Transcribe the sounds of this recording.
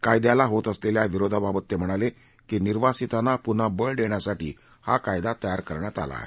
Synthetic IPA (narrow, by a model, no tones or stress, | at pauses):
kajd̪jalaɦot̪əsleljaʋiɾod̪ʱababət̪ːem̤əɽ̃ale | kiːniɾʋasit̪anapun̤abəɭɖeɳjasaʈḭː | ha̰kajd̪at̪əjaɾkəɾɳjat̪a̰la̰ːɦe